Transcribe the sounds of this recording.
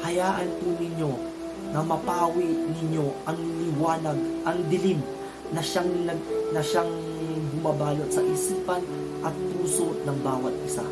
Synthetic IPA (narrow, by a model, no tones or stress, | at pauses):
hɐjaːʔɐnt̪unɪɲo̞ | nɐmɐpaːwiʔnɪɲo̞ʔɐŋlɪwaːnɐɡ̚ʔɐŋd̪ɪlim | nɐʃaŋnɐnɐʃaŋ | bʊmabaːlot̪sɐʔisipɐn | ʔɐt̪̚puːso̞nɐŋbaːwɐt̪̚ɪsa̰